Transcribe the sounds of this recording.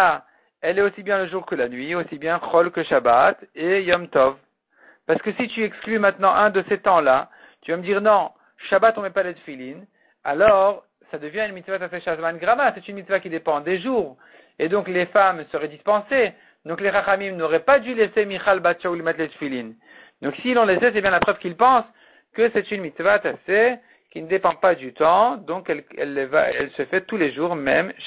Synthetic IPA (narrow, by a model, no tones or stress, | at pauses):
a | ɛlɛosibjɛ̃ləʒuʁkəlanɥiosibjɛ̃χɔlkəʃabat̪ejɔmt̪ɔv | paʁsə̥kəsit̪yɛksklymɛ̃t̪nɑ̃ʔɛ̃d̪əset̪ɑ̃la | t̪yvaməd̪iʁnɔ̃ | ʃabat̪ɔ̃mɛpalet̪filin | a̰lɔʁ | sad̪əvjɛ̃ynmit̪svat̪aseʃazmanɡʁamasɛt̪ynmit̪svakʲid̪epɑ̃d̪eʒuːʁ | ed̪ɔ̃klefamsəʁɛd̪ispɑ̃se | d̪ɔ̃kleʁaχamimnoʁɛpad̪ylesemiχalbat̪ʃaulemɛt̪let̪filin | d̪ɔ̃ksilɔ̃lesɛsɛbjɛ̃lapχœvkʲilpɑ̃s | kəsɛt̪ynmit̪svat̪ase | kʲinəd̪epɑ̃pad̪yt̪ɑ̃d̪ɔ̃kɛlɛ̰lːeva̰ɛ̰lsəfɛt̪uleʒuʁmɛm